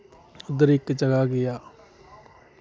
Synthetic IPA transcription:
ʊd̪ɾɪkd͡ʒəɡaɡɪjaː

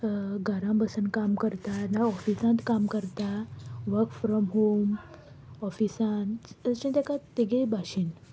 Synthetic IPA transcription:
ɡaɾãbəsənkamkəɾt̪anaɔfisãnt̪kamkəɾt̪aʋəkfɾɔmɦom | ɔfisãnt̪t͡ɕĩnt̪akat̪eɡebʱaɕin

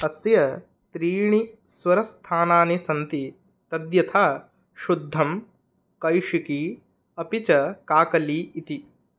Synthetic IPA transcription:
ɐsjɐ | t̪ɾiːɳisʋɐɾɐst̪ʰaːnaːnisɐnt̪i | t̪ɐd̪jɐt̪ʰaː | ʃud̪ʱːɐm | kɐjʂiki | ɐpit͡ʃɐkaːkɐliːt̪i

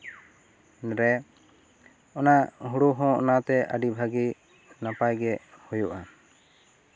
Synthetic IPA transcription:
nɾɛ | ɔnaʔʔɦuɽuɦɔ̃ʔɔ̰nat̪ɛʔa̰ɖibʱaɡi | napajɡɛʔhujuʔa

